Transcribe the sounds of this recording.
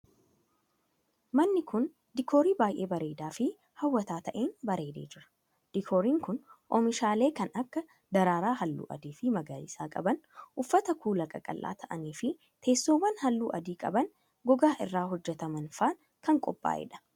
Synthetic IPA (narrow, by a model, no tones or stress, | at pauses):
mɐnːɪkʊn | d̪ɪkʰoːɾiːbaːjʔe̞ːbɐɾe̞ːd̪aːfɪ | hɐwːɐt̪aːt̪ɐʔeːnbɐɾe̞ːd̪ḛːd͡ʒɪɾɐ̥ | d̪̥ɪkʰoːɾiːŋkʊnʔɔ̰mɪʃaːle̞ːkɐnɐkːɐ | d̪ɐɾaːɾaːɦɐlːṵːʔɐ̰d̪iːfɪmɐɡa̰ːlɪsaːkʼɐbɐnʔʊfːɐt̪ɐkuːlɐkʼɐkʼɐ̰lʔa̰ːt̪ʰɐʔɐniːfɪ | t̪ʰe̞ːsːoːwːɐnhɐlːuːʔɐd̪iːkʼɐbɐn | ɡɔɡaːʔɪrːaːɦɔd͡ʒːɛt̪ɐmɐnfaːn | kɐŋkʼɔpʼːa̰ːɪ̰ᶑɐ̥